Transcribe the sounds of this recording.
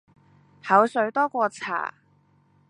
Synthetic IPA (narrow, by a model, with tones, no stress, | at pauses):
hɐ˨˥wsɵ˨˧ɥt̪ɔː˥kʷɔː˧t͡sʰa̰ː˨˩